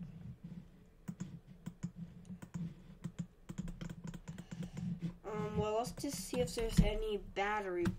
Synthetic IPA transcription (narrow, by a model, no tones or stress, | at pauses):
ʔʌ̃mwɛlˠəsdʰɨssiɨfðə˞zɛnibæɾə˞i